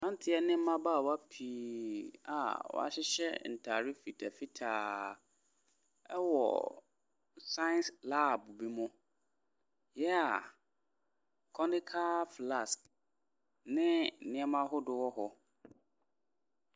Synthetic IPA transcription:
nã˦n˦tʰɪ˦ɛ˦nɪ̃˦m̩˦mã˦ba˦˨wa˦pʰi˨˦a̰˨wɔ̰˦a̰˦ɕɪ˦ɕɛ̰˦n̩˨tʰa˨ɾi˦fi˨tʰa˨fi˦tʰaː˨ | ɛ˦wɔ̰˨ | sã˦nsla˦˨bu˨bi˦mʊ̃˦ | jɛ˦a˨ | kʰɔ˦nɪ̃˦kʰa˦fla˦˨sk | nɪ̃˦˨nɪ̃˦ɛ˦mã˦ɦʊ˦dʊ˨wɔ˦ɦɔ˨

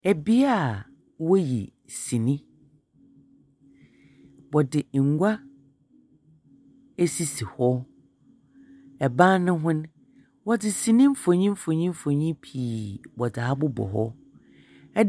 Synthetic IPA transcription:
ɛ˨bi˦a˦˨ | wɔ˦jḭ˨ | sĩ˨nĩ˦ | bɔ˨dɪ˨ŋ̩˨ɡʷa˦ | e˦si˦si˨hɔ˦ | ɛ˨bã˦nnʊ̃˦ɦʊ̃˦n˦ | wɔ˦dɪ˨sĩ˨nɪ̃˦m̩˦fõ˨ɲĩ˦m̩˦fõ˨ɲĩ˦m̩˦fo˨ɲĩ˦pʰiː˨bɔ˨da˨a˦bʊ˦bɔ̰˨ɦɔ˦ | ɛ˦

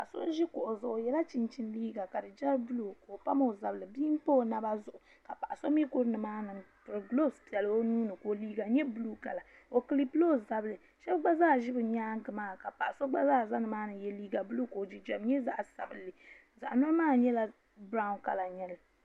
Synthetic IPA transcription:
pkso̰˦ʒi˦ko˨ʔo˨zʊ˨ʔo˨jɛ˦la˦t͡ʃi˨nt͡ʃi˨nliː˦ɡa˨ka˨dɨ˨d͡ʒa˦bu˦lu˨ko˨pa˦mo˦o˨za˨bɨ˨lɨ˨biː˦m˦po˦˨na˦ba˦zʊ˨ʔʊ˨ | ka˨pa˨ʔa˨so˦mi˦ko˦ɾnɨ˨maː˦nɨ˨ | pɨ˨ɾɨ˨ɡlo˦spi˨ɛ˨lɨ˨˦o˦nuː˦nɨ˨ko˨liː˦ɡa˨ɲɛ˦bu˦lu˦ka˨la˨ | o˨kɨ˨li˦plo˦˨za˨bɨ˨lɨ˨ | ʃɛ˦bɡ͡ba˦zaː˦˨ʒi˦bɨ˨ɲaː˦ŋ˦ɡɨ˨maː˦ka˨pa˨ʔa˨so˦ɡ͡ba˦zaː˦˨za˦nɨ˨maː˦nɨ˨jɛ˦liː˦ɡa˨bu˦lu˦ko˨d͡ʒi˦d͡ʒa˨mɲɛ˦za˦ʔsa̰˨bɨ˦lːɨ˨ | za˨ʔnɔ˦ɾmaː˦ɲɛ˦la˦ | bɾa˦ʊ˦nka̰˨la˨ɲɛ˦lɨ˨

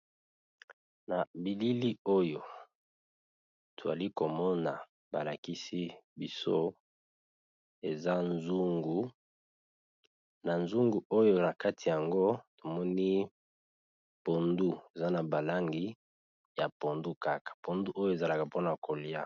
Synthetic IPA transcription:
na˨bi˨li˦li˦o˦jo˨ | tʰo˨za̰˨li˦ko˨mɔ˦na˨ | ba̰˨la˨ki˦si˦bi˦so˦ | e˨za˦nzu˦ŋɡu˨ | na˨nzu˦ŋɡu˨o˦jo˦na˨ka˦tʰi˨ja˨ŋɡo˦to˨mɔ˦ni˦ | po˨ndu˦e˨za˦na˨ba˨la˦ŋɡi˦ | ja˨po˨ndu˦ka˦kḁ˨po˨ndu˦ʔo˦jo˦e˨za˨la˨ka˨po˦na˨ko˨li˦a˦

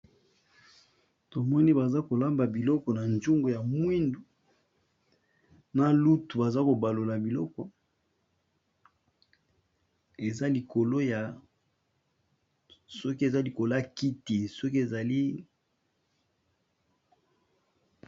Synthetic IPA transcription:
to˨mɔ˦ni˦ba˨za˦ko˨la˦mba˨bi˨lɔ˦kɔ˨na˨nd͡ʒu˦ŋɡo˨ja˨mwi˦ndu˨ | na˦lu˦tu˨ba˨za˦ko˨ba˨lo˨la˨bi˨lɔ˦kɔ˨ | e˨za˦li˨kʰo˨lo˦ja˨ | sɔ˦ki˦e˨za˦li˨ko˨la˦ki˦te˨sɔ˦ki˦e˨za˨li˦

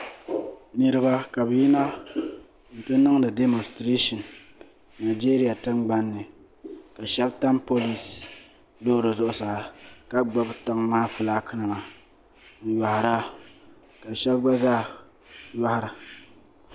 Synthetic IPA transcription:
nɨ˨ɾɨ˦ba˦ka˨bji˦na˦ | n̩˨tɨ˦nɨ˦ŋdɨ˨de˦mo˨nstɾe˦ʃɔ˨n | na˨d͡ʒiː˦ɾi˦ja˨tɨ˦ŋɡ͡ba˦nːɨ˨ | ka˨ʃɛ˦bta˦mpo˦li˦s | lo˦ɾo˨zʊ˦ʔʊ˦sa˨ka˦ɡ͡ba˦bta˦ŋmaː˦fɨ˨la˦kʰɨ˦nɨ˨ma˨ | ja˨hɾa˦ | ka˨ʃɛ˦bɡ͡ba˦zaː˦ | ja˦ha˦ɾɨ˨

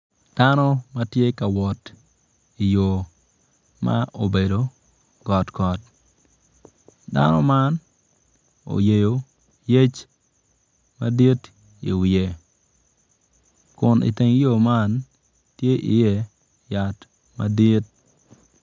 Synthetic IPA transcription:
d̥a˦nɔ˦ma˦tje˦ka˨wɔ˨t | i˨jo˨ | ma̰˦ʔo˨be˨do˨ | ɡɔ˨tkɔ˨t̚ | da̰˦nɔ̰˦ma˦n | o̰˨je˨jo˨ | je˦t͡ʃ | ma˦di˦t | ḭ˨wɪe˨ | kʊ˨nɪ̰˨te˨ŋ˦jo˨ma˦n | tje˦ʔɪ˨jɛ˦˨ | ja˨t | ma̰˦di˦t̚

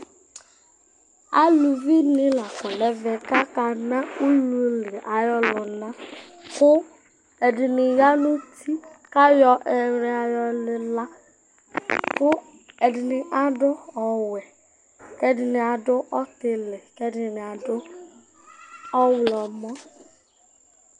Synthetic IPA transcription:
a̰˦lu˨vi˦nɪ˦la˨kɔ˨lɛ˨vɛ˨ka˦ka˨na˦u˦lu˦le˨ʔa˨jɔ˦lʊ˨na˦ | kʊ˦ | e˨dɪ˨nɪ˨ja˦nu˦tʰi˦ | ka˦jɔ˦ʔɛ˨ɾɪ˦a˨jɔ˦lɪ˦la˦ | kʊ˦ | ɛ˨dɪ˨nɪ˨ʔa˦dʊ˦ɔ˨wɛ˨ | kɛ˦dɪ˨nɪ˨a˨dʊ˦ʔɔ˦tɪ˨lɛ˨kɛ˦dɪ˨n˨a˨dʊ˦ | ɔ˦wlɔ˨mɔ˦

